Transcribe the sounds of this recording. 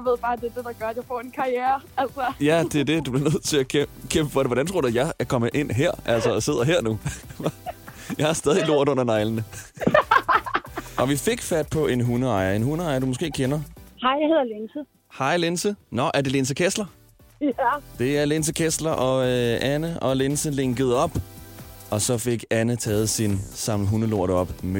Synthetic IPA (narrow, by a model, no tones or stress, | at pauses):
jaʋe̝ð̰ˠb̥ɑ̈ːd̥ed̥e̝d̥ɑ̈ɡ̥ɶɐ̥jäɪfɒ̰enkʰɑ̈ijɛːɐælsɐjæd̥e̝æɐd̥e̝d̥ub̥le̝ɐnøð̞̰ˠt͡sʰe̝ækʰkʰemb̥əfɒd̥eʋɒdɾænt͡sʰʁo̝ɐd̥æjɑ̈ɪæɐkʰɒ̽məʔe̝n̰ɦeɐ̰ʔæl̰sɒse̝ð̰ˠɐɦeɐ̰nu | jɑ̈ɪɑsd̥ɛːð̞ˠilo̝ɐ̰d̥ɔ̽n̰ɐnɑ̈ɪlənə | ɒ̽ʋife̝ɡ̥fæd̥̚pʰɒ̽e̝nɦunəɑ̈ɪɐe̝nɦunəɑ̈ɪɐd̥umosɡ̥e̝̰ːkʰenɐhɑɪ̰jahe̝ð̰ˠɐlensə | hɑ̈ɪ̰le̝nsənɒ̽ʔæɐde̝le̝ns̬əkʰeslɐ | d̥e̝æɐle̝ns̬əkʰeslɐʔɒ̽ʔænəɒ̽le̝nsəle̝ŋɡ̥əð̞̩ˠɒ̽b̥ | ɒ̽sɒ̽fe̝ɡ̥ænət͡sʰɛːð̞̩ˠsinsɑ̈m̰əɦunəlo̝ɐ̰d̥ɒ̽b̥me